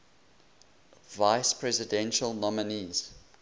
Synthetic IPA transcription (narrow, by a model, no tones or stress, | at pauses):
vaɪspʰɹɛzɪdɛ̃nʃəlˠnɔməniz̥